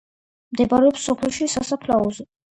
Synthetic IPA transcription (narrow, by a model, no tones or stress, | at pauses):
md̪ɛbaɾɛɔpsɔpʰɛlʃisasapʰlaɔzɛ